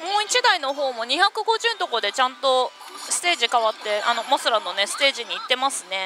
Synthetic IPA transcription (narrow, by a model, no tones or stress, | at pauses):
moit͡ɕid̪aino̞ɦo̞ːmo̞ɲ̟içakɯ̟ɡo̞ʑɨːnt̪o̞ko̞d̪e̞t͡ɕãnt̪o̞ | sɨ̥t̪e̞ːʑikaβ̞at̪ːe̞a̰no̞mosɨɾanːo̞ne̞sɨ̥t̪e̞ːʑiɲ̟iːt̪ːe̞masɨne̞